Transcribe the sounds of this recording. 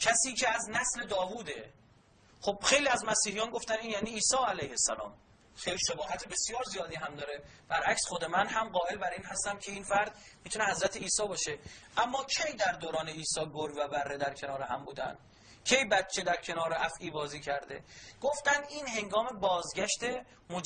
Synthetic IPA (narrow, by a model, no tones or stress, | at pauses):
cʰæsiːcʰeæznæsle̞d̪ɒːvuːd̪e̞ | xo̞b̥xe̞jliːæzmæsiːhijɒːnɡo̞ft̪æniːnjæniːiːsɒːælæjhesælɒ̰ːm | xejliʃebɒːɦæt̪ʰebe̞sijɒːɾzijɒːd̪iːɦæmd̪ɒːɾe | b̥æɾʔæcsxod̪emænhæmɢɒːe̞lbæɾiːnhɦæst̪æmkʰe̞iːnfæɾd̪mit̪unehæzɾæt̪ʰe̞iːsɒːbɒːʃe̞ʔæmːɒːkʰe̞jd̪æɾd̪oːɾɒːneiːsɒːɡoɾvæbærːed̪æɾkʰe̞nɒːɾeɦæmbuːd̪æ̰nd̪ | cʰe̞jbæt̪t͡ʃʰed̪æɾcʰe̞nɒːɾeʔæfʔiːbɒːziːcʰæɾd̪e̞̰ɡ̥o̞ft̪ænd̪iːnhe̞ŋɡɒːme̞bɒːzɡʲæʃt̪e̞ | mod͡ʒ